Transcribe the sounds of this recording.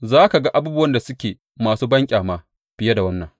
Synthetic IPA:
zaː˦ka˨ɡa˦ʔa˦buː˦bʊ˦wɐ˦nda˨sʊ˦kʲeː˨ | maː˨suː˦bɐ˦ŋkʲʼaː˨maː˦ | ɸɪ˦ja˦da˨wɐ˦nːɐ˨ŋ

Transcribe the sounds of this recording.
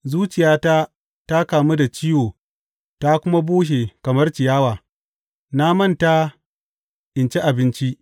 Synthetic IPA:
zuː˦t͡ʃɪ˨jaː˦ta˦ | ta˦kaː˨mu˦da˨t͡ʃɪ˦joː˨ | ta˦kʷʊ˦ma˦buː˦ʃ̬e˨kɐ˨mɐ˦rt͡ʃɪ˨jaː˦waː˨ | naː˦mɐ˦˨nta˦ | ʔɪ˨nt͡ʃe˦ʔa˨bɪ˦nt͡ʃi˦ʔ

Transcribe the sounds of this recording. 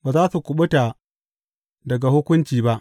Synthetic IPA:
baː˨zaː˦su˨kʷʊ˨ɓʊ˦ta˨ | dɐ˨ɡa˨hʊ˦kʷʊ˦nt͡ʃiː˨ba˦ʔ

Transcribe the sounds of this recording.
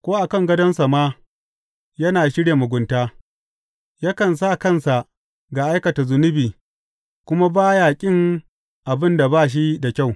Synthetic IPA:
kʷoː˦ʔa˨kɐ˦˨ŋɡɐ˦dɐ˦nsa˨maː˦ | jɐ˦naː˨ʃɪ˦ɽja˨mʊ˨ɡʷʊ˨ntaː˦ | ja˦kɐ˨ns̬a˦˨kɐ˦˨nsa˨ʔ | ɡa˨ʔa˦jkɐ˨ta˨zʊ˨nʊ˦biː˨ | kʷʊ˦ma˦baː˦jaː˨kʲʼɪ˦ŋ | ʔa˨bɪ˦nda˨ba˦˨ʃ̬i˦da˨kʲa˦˨w

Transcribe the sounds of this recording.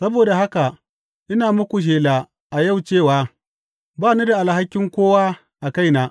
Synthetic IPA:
sɐ˦boː˨da˨ɦa˦ka˨ | ʔɪ˦naː˨mʊ˦kʷu˨ʃ̬eː˨la˨ | ʔa˨ja˦˨wt͡ʃeː˦˨waː˦ | baː˦˨nu˦da˨ʔa˨lɦa˦kʲːɪ˦ŋkʷoː˦waː˦ | ʔa˨ka˦jnaː˨

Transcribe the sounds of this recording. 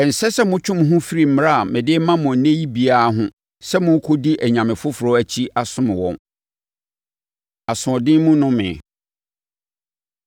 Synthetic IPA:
ɛ˨n̩˨sɛ˦sɛ˦mʊ̃˦t͡ɕʰᶣʊ̃˦m˨ɦʊ̃˦fi˦ɾi˦˨m̩˦m˨ɾa˦˨mɪ̃˨dɪ˦mã˦mʊ̃˨nẽ˦ji˦bi˨a˦a˨ɦʊ̃˦ | sɛ˦mʊ̃˦kʰo˦di˦ʔæ˨ɲã˨mɪ̃˨fʊ˦fʊ˨ɾɔ˦æ˨t͡ɕʰi˦a˨sʊ̃˦m̃˨wɔ̰̃˦n | a˨sʊ̃˨ɔ˨dɪ̃˦mũ˦nʊ̃˦mɪ̰̃˨

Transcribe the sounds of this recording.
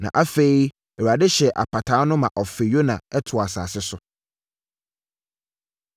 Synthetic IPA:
nã̰˨ʔa˦fe˨i˦ | ɛ˨wa˨dɪ˦ɕɛ˨ʔa̰˨pʰa˨tʰaː˨˦nʊ̃˦mã˨ʔɔ˨fɪ˨jo˦nã˨ɛ˦tʰʊ˨a˨sa̰ː˨sɪ˦sʊ˨

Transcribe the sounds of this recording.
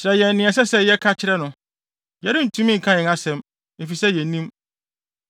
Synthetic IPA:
t͡ɕɪɾɛ˨jɛ˨nːɪ̃˨ɛ˨s̬ɛ˦sɛ˦jɛ˦kʰa˦t͡ɕʰɪ˦ɾɛ˦nʊ̃˨ | jɛ˦ɾɪ̃˦n̩˨tʰũ˦mĩ˦ŋ̩˨kʰã˦ɲɪ̃˨ŋa˦sɛ̃˨m | e˨fi˨sɛ˦jɛ̃˨nĩ˦m

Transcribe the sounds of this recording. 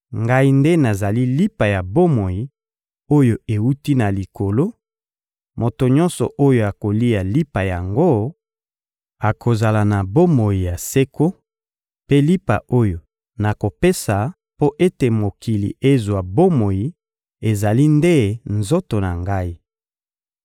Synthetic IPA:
ŋɡa˦i˦nde˦na˨za˨li˦li˦pa˨ja˨bo˦mo˨ji˨ | o˦jo˨e˨u˦ti˦na˨li˨ko˨lo˦ | mo˨to˨ɲɔ˦nsɔ˨ʔo˦jo˨a˨ko˨li˦a˨li˦pa˨ja˨ŋɡo˦ | a˨kʰo˨za˨la˨na˨bo˦mo˨ji˨ja˨se˦ko˦ | pe˦li˦pa̰˨ʔo˦jo˨ | na˨ko˨pe˦sa˨ | po˦ʔe˦te˨mo˨ki˨lḭ˨ʔe˦zwa˨bo˦mo˨ji˨ | e˨za˨li˦nde˦nzo˦to˨na˨ŋɡa˦i˦

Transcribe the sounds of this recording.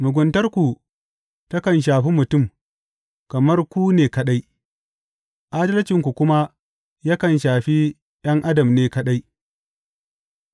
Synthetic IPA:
mʊ˨ɡʷʊ˨ntɐ˦rkʷu˨ | tɐ˦kɐ˨nʃ̬aː˨ɸi˦mʊ˨tʊ˦˨m | kɐ˨mɐ˦rkʷuː˦neː˨kɐ˨ɗa˦j | ʔa˦dɐ˦lɐ˦t͡ʃɪ˨ŋkʷu˨kʷʊ˦ma˦ | ja˦kɐ˨nʃaː˨ɸi˦ | j̰ɐ˦ŋʔa˦dɐ˨mneː˦kɐ˦ɗa˦j

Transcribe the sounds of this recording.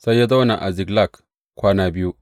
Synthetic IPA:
sa˦jːa˦da˦na˨ʔa̰˨zi˨ɡla˦˨k | kʷaː˦na˦bi˦ju˦

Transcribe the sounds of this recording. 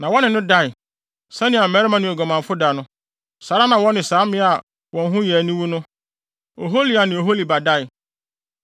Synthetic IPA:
nã˨wɔ˦nɪ̃˨nʊ̃˦da˦˨ɪ˨ | sɛ̃˦nɪ̃˨a˨mɛ˨˦ɾmã˦nʊ̃˦˨ɛ˨ɡɔ˨mã˨m˨fʊ˦da˨˦nʊ̃˦ | sa˨˦ɾa˦nã˨wɔ˦nɪ̃˨saː˨˦mɪ̃˦a˨ | wɔ̃˨n˦ɦʊ̃˦jɛ˨nĩ˦wu˦nʊ̃˦ | o˨ɦo˦li˨a˨nɪ̃˨o˨ɦo˦li˨ba˨da˦˨ɪ˨

